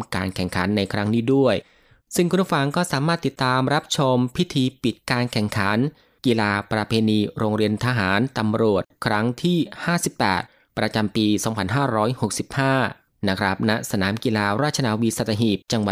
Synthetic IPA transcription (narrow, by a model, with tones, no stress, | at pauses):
ka̰ː˧nkʰɛ˨˩ŋkʰa̰˩˦nːa˧jkʰɾa˦˥ŋniː˦˥du˥˩əj | sɯ˥˩ŋkʰu˧n˥˩fa˧˩ŋkɔː˥˩saː˩˦maː˥˩t̪ːi˨˩t̪ːaː˧mɾa˦˥p̚t͡ɕʰo˧mpʰi˦˥t̪ʰiː˧pi˨˩t̪̚kaː˧nkʰɛ˨˩ŋkʰa˩˦n | kiː˧laː˧pɾa˧pʰeː˧niː˧ɾoː˧ŋɾi˧ənt̪ʰa˧ɦaː˩˦nt̪a˧mɾu˨˩ət̪̚kʰɾa˦˥ŋt̪ʰiː˥˩haː˥˩si˨˩pːɛ̰ː˨˩t̪̚ | pɾa˧t͡ɕa˧mpiː˧sɔː˩˦ŋpʰa˧nɦaː˥˩ɾɔː˦˥jho˨˩k̚si˨˩p̚haː˥˩ | na˦˥kʰɾa˦˥p̚na˦˥sa˧naː˩˦mkiː˧laː˧ɾaː˥˩t̪̚t͡ɕa˧naː˧wiː˧˥sa˨˧˩t̪ʰːa˧ɦiː˨˩p̚t͡ɕa˧ŋwa˨˩